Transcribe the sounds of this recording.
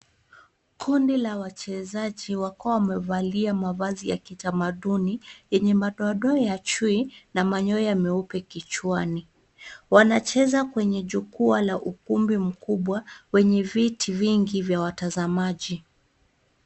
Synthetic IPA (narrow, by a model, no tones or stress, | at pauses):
kʰundilawat͡ʃɛzaʄiwakuawamɛvaliamavazija̰kitamaɗunijɛɲɛmaɗɔɗɔjat͡ʃwinamaɲɔɛjamɛupɛkit͡ʃwani | wanat͡ʃɛzakwɛɲɛʄukualaʔukumbim̩kuɓwawɛɲɛvitʰiviŋɡivjawatazamaʄi